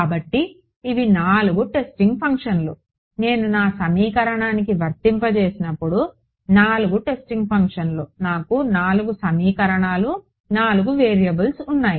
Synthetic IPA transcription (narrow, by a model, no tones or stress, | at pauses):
kaːbɐʈːiː | ʋinaːluɡuʈe̞sʈiŋɡpʰɐŋkʂɐnlu | ne̞ːnunaːsɐmiːkɐɾɐɳaːnik̬iʋɐɾt̪impɐt͡ʃe̞ːsinɐpːuɽu | naːluɡuʈe̞sʈiŋɡ̚pʰɐŋkʂɐnlunaːkunaːluɡusɐmiːkɐɾɐɳaːlu | naːluɡuʋeːɾijɐbɐlsunːaːji